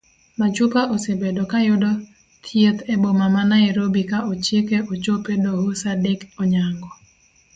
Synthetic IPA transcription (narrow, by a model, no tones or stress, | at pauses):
mat͡ʃupaʔosebedokajʊdɔ | t̪ʰjet̪ebomamanaeɾobikaʔot͡ʃekeʔot͡ʃopedohosadɪkɔɲaŋɡɔ